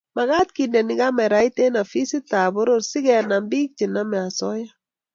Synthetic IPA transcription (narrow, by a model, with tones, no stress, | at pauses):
ma˨ɣa˦t̪̚kindɛ˨nɪ˦ɡa˦mɛ˨ɾa˦i˦te˦na˨fi˦si˦ta˨bo˦ɾo˦ɾsi˦kɛ˨na˨mbi˦k̚t͡ʃi˨na˦mɛ˨a˨sɔ˦ja˦